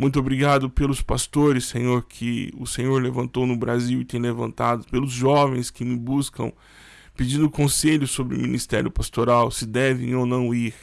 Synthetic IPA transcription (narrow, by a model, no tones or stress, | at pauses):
mũj̃t̪̬obɾiɡad̪ʊpelʊspast̪oɾɪsːẽɲoɾkʰɪʊsẽɲoɾlevɐ̃nt̪ownʊbɾaziwɪt̪ẽj̃levɐ̃nt̪ad̪ʊpelʊzʒɔvẽj̃skɪmɪbuskɐ̰̃w̃ | ped͡ʒĩnd̪ʊkõseʎʊsobɾɪʊ̰mĩnist̪ɛɾjʊpast̪oɾawsɪd̪ɛvḛ̃onɐ̃w̃iɾ